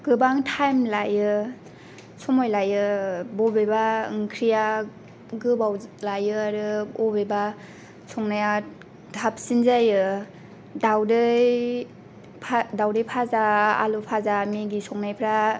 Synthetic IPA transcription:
ɡɯbaŋtʰajmlajɯ | sɔmɔjlajɯbɔbebaŋkʰɾija | ɡɯbawlajɯaɾɯbɔbeba | sʰɔŋnaja | dʱap̚sinzajɯ | dawdɯj | pʰadawdɯjpʰazaa̰lupʰazameɡisʰɔŋnajpʰɾa

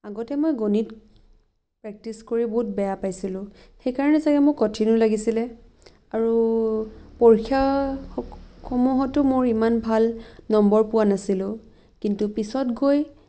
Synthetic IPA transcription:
aɡɔtɛmojɡonit | pɹɛk̚tiskoɹibɔɦut̚bɛjapajsilʊ̃ | xejkaɹɔnɛsakɛmʊkːɔtʰinʊlaɡisilɛ | aɹu | pɔɹkʰja | xɔmuɦɔtʊmʊɹimanbʱalnɔmbɔɹpʊwanasilʊ̃ | kintupisɔtɡoj

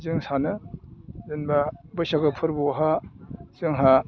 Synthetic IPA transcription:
zɯŋsanɯ | zɯnbabɯjsaɡɯpʰɯɾbɔɦaz̥ɯŋɦa

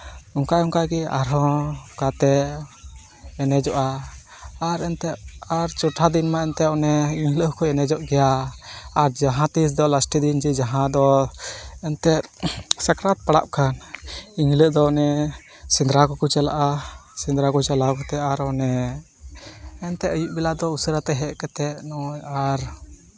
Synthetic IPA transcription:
ɔŋkaʔɔŋkaʔɡɛa̰ɾɦɔ̃kat̪ɛ | ɛnɛd͡ʒɔʔaː | ɾɛnt̪ɛaɾt͡ʃɔʈʰad̪inmaɛnt̪ɛɔnɛiŋləkɔɛnɛd͡ʒɔʔɡɛja | aɾd͡ʒaɦãt̪is̬d̪ɔlasʈid̪ind͡ʒɛd͡ʒaɦãd̪ɔ | ɛnt̪ɛt̪sakɾat̪̚paɽa̰p̚kʰaniŋləʔd̪ɔnɛ | sind̪ɾakɔkɔt͡ʃala̰ʔasind̪ɾakɔt͡ʃalakɔt̪ɛaɾɔnɛ | nt̪ɛəjuʔbɛlad̪ɔusəɾat̪ɛɦɛʔkɛt̪ɛʔnɔjaɾ

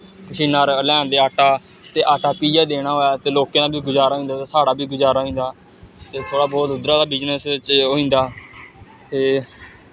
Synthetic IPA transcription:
kʊʃiːnaːɾlɛ̃ːnd̪eːaːʈaː | t̪eːʔaːʈaːpiːd͡ʒaːd̪eːɽ̃aːɦoːjaːt̪eːloːkeːnãːbiːɡʊd͡ʒaːɾaːɦõːnd̪aːt̪eːsaːɽaːbʱiːɡʊd͡ʒaːɾaːɦĩːnd̪aː | t̪eːt̪ʰoːɽaːbɔːt̪ʊd̪ɾaːd̪aːbɪd͡ʒnəst͡ʃɦoːĩːnd̪aː | t̪eː

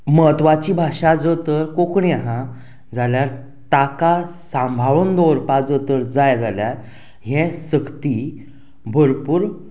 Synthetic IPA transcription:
mət̪ʋat͡ɕibʱaʂad͡zət̪əɾkokɳiaɦã | d͡zaljaɾ | t̪akasãmbʱaʋənd̪ɔɾpad͡zət̪əɾd͡zajɾaljaɾ | ɦɛ̃səkt̪i | bʱəɾpuːɾ

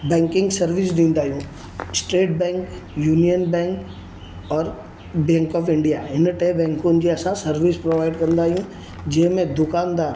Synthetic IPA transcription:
bɛ̃ːŋkɪ̃ŋɡsɐɾʋɪsd̪ĩːnd̪aːɦjũː | sʈɾeːʈ̚bɛ̃ːŋk | juːnijənbɛ̃ːŋk | ɔːɾ | bɛ̃ːŋkɔːfɪ̃ɳɖijaɪnʈeːbɛ̃ːŋkõnd͡ʒiɐsãsɐɾʋɪspɾoːʋaːɪɖkɐɾnd̪aːɦijũ | d͡ʒeːmẽd̪ʊkaːnd̪aːɾ

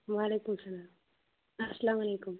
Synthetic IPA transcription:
ʋaːleːkʊmsɐlaːm | asɐlaːmɐleːkʊm

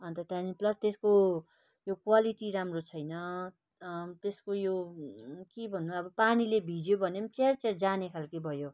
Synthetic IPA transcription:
ʌnt̪ʌt̪ãniplʌst̪esko | jokwaliʈiɾamrot͡sʰʌjnʌ | t̪eskojo | kibʱʌnːuaʌbʌpanilebʱid͡zjobʱʌnemt͡sert͡serd͡zanekʰalkibʱʌjo

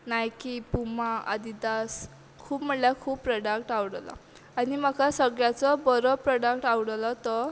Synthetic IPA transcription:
najkipumaa̰d̪id̪as | kʰuːpm̤əʈljakʰuːbpːɾɔɖak̚ʈawɽla̰ | anim̤akasəɡɭjat͡sɔbəɾɔpɾɔɽakʈawɽlɔt̪ɔ

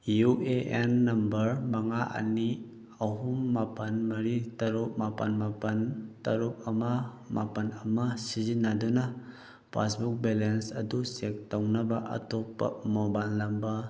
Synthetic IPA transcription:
juʔeʔenːɐmbɐɾmaŋaʔɐ̰ni | ɐɦumːapɐnmɐɾitɐɾup̚mapɐnmapɐntɐɾup̚ɐmɐ | mapɐnɐmɐsizinːɐdunɐ | pʰa̰sbuk̚belensɐdusek̚tawnɐbɐʔɐ̰topːɐ̰mobalːɐmbɐ

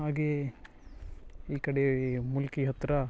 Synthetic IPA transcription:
ɦaːɡe | iːkɐɽemulkiɦɐt̪ːɾɐ

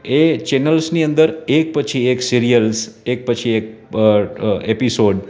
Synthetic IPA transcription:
et͡ʃenəlsniənd̪əɾek̚pət͡ʃʰieksiɾijəlsek̚pət͡ʃʰiek̚ | episoɖ

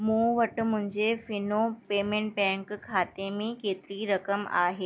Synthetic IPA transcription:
mũːʋɐʈ̆mʊ̃ɦɪ̃ɲd͡ʑefɪnopeːmẽːɳʈ̚bɛ̃ːŋkkʰːaːt̪emẽkeːt̪ɪɾiɾɐkəma̰ːɦeː

